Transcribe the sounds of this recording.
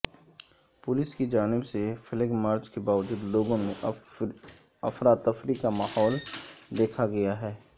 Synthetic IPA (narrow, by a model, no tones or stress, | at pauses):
pʊlɪskid͡ʒaːnɪbsefʰɪlɪɡmaːɾt͡ʃkebaːʋəd͡ʒuːd̪loːɡõmẽ | ɐfɾaːt̪ɐfɾikamaːhɔːld̪eːkʰaɡɐjaɦɛː